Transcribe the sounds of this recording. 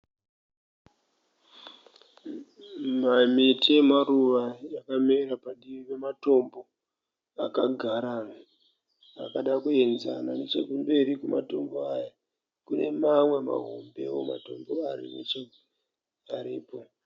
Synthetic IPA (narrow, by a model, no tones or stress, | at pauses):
mamitie̞maruʋajakameɾapaɗiʋipe̞mato̞mbo̞ | akaɡʱaɾana | akaɗakuenza̰nane̞t͡ʃekumbe̞ɾikumato̞mboaja | kune̞̰mamwe̞ma̰ɦo̞mbe̞woma̰to̞mboarḭnḛt͡ʃe | aɾiːpo̞